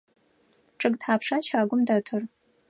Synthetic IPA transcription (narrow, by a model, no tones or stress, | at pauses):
ʈ͡ʂʼɨɡtħaːpʂaʃaːɡʷʊmdɐtʰɨr